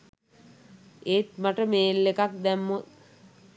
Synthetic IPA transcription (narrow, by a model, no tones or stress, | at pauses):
eːt̪̚maʈəmeːlːekak̚d̪æmːot̪̚